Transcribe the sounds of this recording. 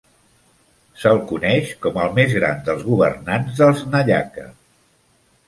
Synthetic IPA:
səlˠkunɛʃkɔməlˠmezɣɾa̰nd̪əlˠzɣuβə̰rnanzðəlˠznəʎa̰kə̰

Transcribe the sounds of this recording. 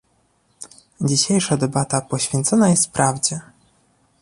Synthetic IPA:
d͡ʑiɕejʂad̪ɛbat̪apɔɕfʲjɛnt̪sɔnajɛst̪fpɾavd͡ʑɛ

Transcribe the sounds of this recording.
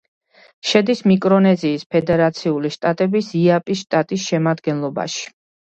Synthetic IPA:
ʃɛd̪ismikʼɾɔnɛziːspʰɛd̪ɛɾat̪sʰiuliʃt̪ʼat̪ʼɛbisiapʼiʃt̪ʼat̪ʼisʃɛmad̪ɡɛnlˠɔba̰ʃi̥

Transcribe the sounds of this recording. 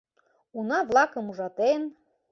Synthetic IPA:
unɑvlˠɑkɤ̆muʒɑt̪en

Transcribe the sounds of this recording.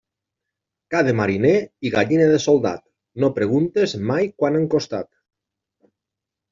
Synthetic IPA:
kaðemaɾineiɣaʎineðesolˠd̪a̰t̪ | nopɾeɣ̞unt̪ezmajkwanaŋkost̪a̰t̪

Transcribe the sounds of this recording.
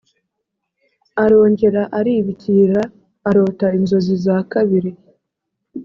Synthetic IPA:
aɾo̞ːɲɟe̞ɾaʔaɾiβiciɾaː | ɾo̞ːtainzo̞zizaːkaβiɾi

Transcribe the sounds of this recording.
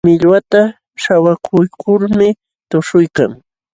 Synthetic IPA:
mɪʎwat̪a | ʃawakʰʊjkʰʊɾmɪ | t̪ʊʃʊjka̰ŋ

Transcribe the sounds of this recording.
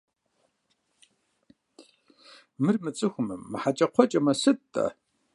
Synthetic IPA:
mɨrmɨt͡sʼɨxʷʊmɨmːɨħat͡ʃʼɐqʷʰɔt͡ʃʼɐmɐsɨttʼːɐ̰

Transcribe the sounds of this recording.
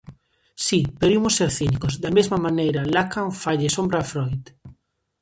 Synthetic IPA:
sipeɾimʊsːeɾθinikozd̪amezmamanejɾalakaɱfaʎesombɾafɾojt̪

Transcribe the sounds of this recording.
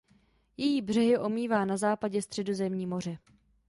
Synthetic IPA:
jɛjiːbr̝ɛɦɪʔo̞miːvaːnazaːpaɟɛst̪r̝̥ɛdo̞zɛmɲiːmo̞r̝ɛ

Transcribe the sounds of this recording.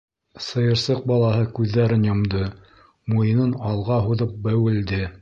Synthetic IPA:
sɤ̆jɤ̆ɾsɤq̚bɑlˠɑɦɤkʉðːæɾɘnjŏmd̪ɤ | mujɤ̆nɤnɑlˠʁɑɦuðɤp̚bæwɘ̆ld̪ɘ

